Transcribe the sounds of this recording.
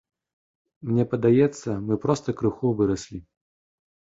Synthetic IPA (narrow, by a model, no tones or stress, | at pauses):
mnʲɛpɐd̪ajɛt̪sːɐmɨpɾɔst̪ɐkɾɨxuvɨɾɐsʲlʲi